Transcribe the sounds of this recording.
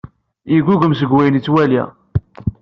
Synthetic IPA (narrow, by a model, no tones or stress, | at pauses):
iɡuʝəmsəɡwæjənit͡sːwælḭ